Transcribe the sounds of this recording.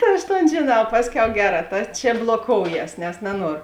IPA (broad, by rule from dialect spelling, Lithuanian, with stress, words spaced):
ˈtɐ ɐʃ ˈtoːn ʒʲeːˈnɐʊ ˈpɑːsʲˌkʲɛʊ ˈɡʲæːˌrɑː ˈtɐ t͡ʃ blˠoːˈkoːʊˌjɛs nʲɛs nɐˈnuɔroː